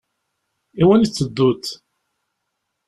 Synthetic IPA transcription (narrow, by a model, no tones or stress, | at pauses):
iwænit͡sːəd̪ːut̪